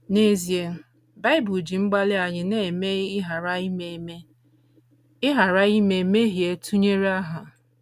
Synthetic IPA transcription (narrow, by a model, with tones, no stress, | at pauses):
ne˦zi˨e˨˦ | ba˦ɪ˦bu˨d͡ʒi˨ŋ͡m̩˦ɡ͡ba˦lɪ˦a˨ɲɪ˨ne˨me˦ɪ˦ɦa˨ɾa˦i˦me˨me˦ | ɪ˦ɦa˨ɾa˦i˦me˨me˦ɦi˨e˨tʰu˦ɲe˦ɾa˦ɦa˨